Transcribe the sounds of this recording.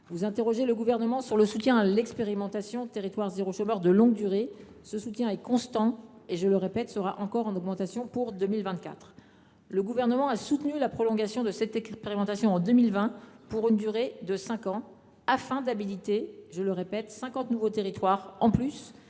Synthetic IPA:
vuzɛ̃t̪eʁɔʒeləɡuvɛʁnəmɑ̃syʁləsut̪jɛ̃alɛkspeʁimɑ̃t̪asjɔ̃t̪eʁit̪waʁzeʁoʃomœʁd̪əlɔ̃ɡ̚d̪yʁe | səsut̪jɛ̃ɛkɔ̃st̪ɑ̃eʒələʁepɛt̪səʁaʔɑ̃kɔʁɑ̃nɔɡmɑ̃t̪asjɔ̃puʁd̪ømilvɛ̃t̪̚kʲa̰t̪χ | ləɡuvɛʁnəmɑ̃asut̪nylapχɔlɔ̃ɡasjɔ̃d̪əsɛt̪ɛkspeʁimɑ̃t̪asjɔ̃ɑ̃d̪ømilvɛ̃puʁynd̪yʁed̪əsɛ̃kɑ̃ | afɛ̃d̪abilit̪eʒələʁepɛt̪sɛ̃kɑ̃t̪nuvot̪eʁit̪waʁɑ̃plys

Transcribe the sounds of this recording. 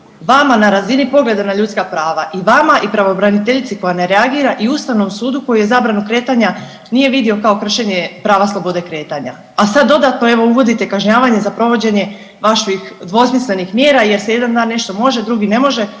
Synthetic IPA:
ʋamanaɾazinipo̞ɡle̞d̪anaʎut̪skapɾaːʋaʔiʋamaʔipɾaʋo̞bɾanit̪e̞ʎit̪siko̞janeɾeaɡiːɾaʔiust̪aʋno̞msuːd̪ukojije̞zaːbɾanukɾe̞ːt̪aɲa | nije̞ʋid̪io̞kao̞kr̩ʃe̞ɲepɾaːʋaslˠo̞bo̞d̪e̞kɾe̞ːt̪aɲa̰ | asad̪ːo̞d̪at̪noe̞ʋo̞uʋo̞d̪it̪e̞kaʒɲaːʋaɲe̞zapɾo̞ʋo̞d͡ʑe̞ɲe̞ | ʋaʃʋixd̪ʋo̞smisle̞nixmjeːɾaje̞ɾseje̞d̪and̪aːnːe̞ʃt̪o̞mo̞ʒed̪ɾuɡine̞mo̞ʒe̞

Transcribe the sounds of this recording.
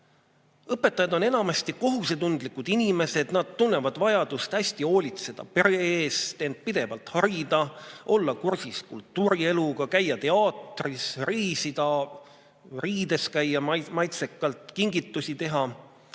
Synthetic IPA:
ɤpːe̞t̪ːˑɑjɑd̪̥o̞ne̞nɑmɑst̪iko̞ɦuse̞t̪und̪likːˑud̪̥inime̞se̞d̪̥nɑd̪̥̚t̪ːunːe̞vɑd̪̥vɑjɑd̪̥ust̪hæsʲt̪io̞ːlʲit̪se̞d̪̥ɑ̰pe̞ɾeeːst̪end̪̥̚pid̪̥e̞vɑlt̪hɑɾid̪̥ɑʔo̞lːɑkursiskṵlt̪ːˑuːɾie̞luɡ̥ɑkæjːɑt̪e̞ɑːt̪risriːsid̪̥ɑ | riːd̪̥e̞skæjːɑmmɑjt̪se̞kːˑɑlt̪kiŋɡit̪ːˑusit̪e̞ɦɑ

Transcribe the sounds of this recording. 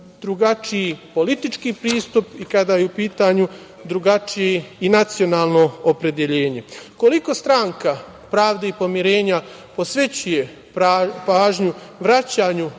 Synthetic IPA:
d̪ɾuɡat͡ʂiipo̞lit̪it͡ʃkiːpɾiːst̪upikad̪ajeupiːt̪aɲu | d̪ɾuɡat͡ʃijeinat̪sio̞naːlˠno̞ːpɾe̞d̪je̞ʎe̞ːɲe̞ko̞liko̞st̪ɾaŋka | pɾaːʋd̪eipo̞miɾe̞ːɲa | po̞sʋe̞t͡ɕuje̞ | paːʒɲuʋɾat͡ɕaːɲu

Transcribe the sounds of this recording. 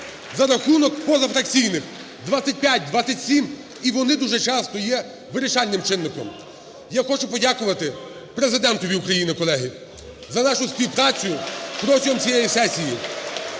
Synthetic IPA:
zɐɾɐxunɔkpɔzɐfɾɐkt͡sʲijnɪx | d̪ʋat͡sʲɐt̚ʲpʲjatʲd̪ʋat͡sʲːɐtʲsʲim | iʋɔnɪd̪uʒɛt͡ʃɑst̪ɔjɛ | ʋɪɾɪʃɑlʲnɪmt͡ʃɪnːɪkɔ̰m | jaxɔt͡ʃʊpɔdʲakʊʋɐt̪ɪ | pɾezɪd̪ɛnt̪ɔʋʲiukɾɐjinɪkɔlˠɛɦɪ | zɐnɑʃʊsʲpʲiwpɾɑt͡sʲjʊpɾɔtʲɔɦɔmt͡sʲijɛjisɛsʲiji

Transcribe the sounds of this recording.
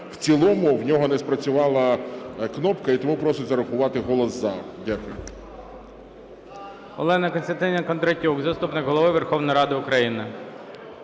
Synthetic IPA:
w̥t͡sʲilˠɔmʊwnʲɔɦɔnɛspɾɐt͡sʲʊʋɑlˠɐknɔpkɐit̪ɔmupɾɔsʊzɐɾɐxʊʋɑt̪ɪɦɔlˠɔsːɐdʲakʊjʊ | ɔ̰lˠɛnɐkɔnʲst̪ɐnt̪ɪnʲɐkɔnd̪ɾɐtʲukzɐst̪upnɪkɦɔlˠɔʋɪʋerxɔwnɔjɾɑd̪ɪʊkɾɐjinɪ

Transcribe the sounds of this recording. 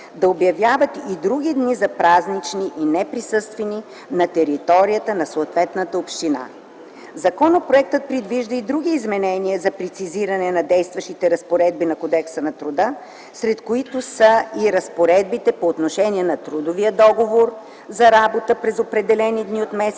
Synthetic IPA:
d̪ɐobjɐvjavət̪id̪ɾuɡʲid̪nizɐpɾaznit͡ʃniʔinɛpɾisɤst̪vɛni | nɐt̪ɛɾit̪ɔɾijət̪ənɐsoːt̪vɛt̪nət̪əopʃt̪ina̰ | zɐkɔnəpɾoɛk̚t̪ət̪̚pɾid̪viʒd̪əid̪ɾuɡ̟iːzmɛnɛniəzɐpɾɛt̪siziɾɐnɛnɐd̪ɛjst̪vɐʃt̪it̪ɛɾɐspoɾɛd̪̚binɐkod̪ɛksənɐt̪ɾʊd̪ə | sɾɛt̪koit̪ʊsəiɾɐspoɾɛd̪̚bit̪ɛpoːt̪noʃɛniɛnɐt̪ɾud̪oviəd̪ɔɡovoɾ | zɐɾabot̪əpɾɛzopɾɛd̪ɛlɛnid̪niot̪mɛs

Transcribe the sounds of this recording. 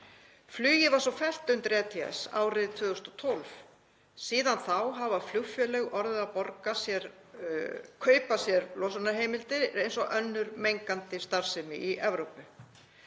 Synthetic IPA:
flyːjɪvaɾ̥sɔfɛl̥t̪ʏmt̪ɾɛːt̪ʰia̰sa̰ːwɾɪðt̪ʰvœːɣʏst̪ɔ̥t̪ʰɔlf | siːðanθawɦavaflʏxfjœlɛɣɔɾðʏapɔɾkasjɛɾ̥ | kʰœːɥpasjɛɾlɔsanaɦeːjmɪlt̪ɪejnsɔɣʔœnːʏɾmejŋkant̪ɪst̪aɾ̥sɪmɪ̰ʔiʔɛvɾowpʏ

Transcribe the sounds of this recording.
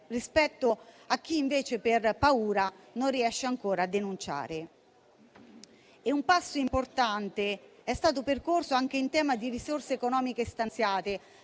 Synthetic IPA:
rispɛt̪ːo | ak̟ːiːɱveːt͡ʃeperpauːɾanonrːiɛʃːeaŋkoːɾaːd̪ːenunt͡ʃa̰ːɾe | eumpasːoimport̪ant̪eɛst̪aːt̪̬operkorsoaŋk̟eint̪ɛːmad̪irisorseːkonɔːmikest̪ant̪sjaːt̪e

